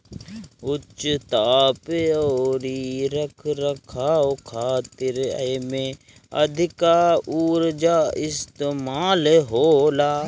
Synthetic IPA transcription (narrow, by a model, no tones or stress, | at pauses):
ʊt͡ʃːt̪aːpeoːɾiɾɐkʰɾɐkʰaːokʰaːt̪ɪɾɐ̰jmẽ | ɐ̰d̪ʱɪkaːuːɾd͡ʒaːɪst̪emaːlɦoːlaː